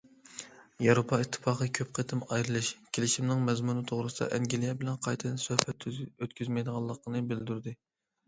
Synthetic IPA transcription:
jɑɾopʰɑit̪ʰːɨ̥fɑːqəkʲʰøp̚qʰət̪ʰɨmɑjɾɨlˠɨʃkʲʰelɪʃimnɪŋmɛzmunɨt̪ʰoʁɾɨsɨd̪ɑ̰ʔɛŋɡʲilˠijɛbɪlɛnqʰɑjt̪ʰɨnsøhpʰɛt̪ʰːyøt̪kʲyzmɛjd̪əʁɑlˠːəqnɨbɪld̪yɾd̪ɪ

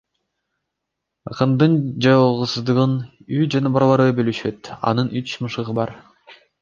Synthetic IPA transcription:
ɯqɯnd̪ɯnd͡ʒɑʁɯsɯzd̪ɯʁɯnyd͡ʒɑnɑbɑɾɑlˠɑɾɯbølyʃø̞t̪ɑ̰nɯnyt͡ʃmɯʃɯʁɯbɑɾ

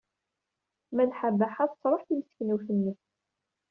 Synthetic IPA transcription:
mænħabːaħaðsˤɾˤəħθimsknuθənːəθ

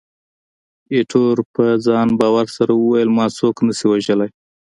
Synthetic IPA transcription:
eʈʰoɾpəd͡zɑnbɑwaɾsaɾawəwajəlmɑt͡soknəsiwaʒəlaj

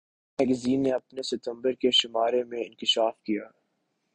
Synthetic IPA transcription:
ɦɛɡziːnːeɐpnesɪt̪ə̃mbəɾkeʃɪmaːɾemẽɪ̃nkɪʃaːfkijaː

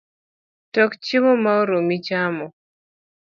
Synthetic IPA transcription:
tɔkt͡ʃɪmɔmaoɾomit͡ʃamɔ

